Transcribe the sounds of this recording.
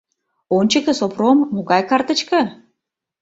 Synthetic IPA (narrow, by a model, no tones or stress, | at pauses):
ont͡ɕə̆kə̆sopromːoɡɑjkɑrt̪ə̆t͡ɕkɤ̆